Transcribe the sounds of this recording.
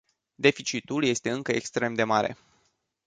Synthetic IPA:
d̪e̞fit͡ʃit̪ulje̞st̪e̞ɨŋkəekst̪ɾe̞md̪e̞maɾe̞̰

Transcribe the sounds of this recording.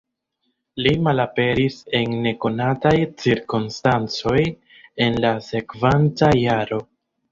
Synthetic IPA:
limalape̞ɾise̞nːe̞ko̞natajt͡siɾkonstant͡so̞j | e̞nlase̞kvantajaɾo̞

